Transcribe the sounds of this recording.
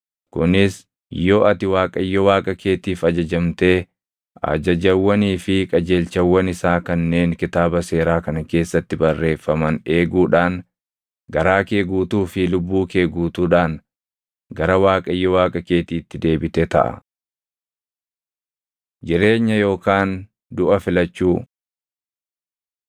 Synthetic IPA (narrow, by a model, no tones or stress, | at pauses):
kʊnɪs | jːoɐt̪ɪwaːkʼɐjːɔwaːkʼɐke̞ːt̪iːfɐd͡ʒɐd͡ʒɐmt̪e̞ː | ɐ̰d͡ʒɐd͡ʒɐwːɐniːfɪkʼɐd͡ʒe̞ːlt͡ʃɐwːɐnɪsaːkɐnːe̞ːŋkɪt̪aːbɐse̞ːɾaːkɐnɐke̞ːsːɐt̪ːɪbɐrːe̞ːfːɐmɐne̞ːɡuːᶑaːn | ɡɐɾaːke̞ːɡuːt̪uːfɪlʊbːuːke̞ːɡuːt̪uːᶑaːn | ɡɐɾɐwaːkʼɐjːɔwaːkʼɐke̞ːt̪iːt̪ːɪd̪e̞ːbɪt̪ɛt̪ɐ̰ʔɐ̰ | d͡ʒɪɾe̞ːɲːɐjo̞ːkaːn | d̪ʊʔɐfɪlɐt͡ʃːuː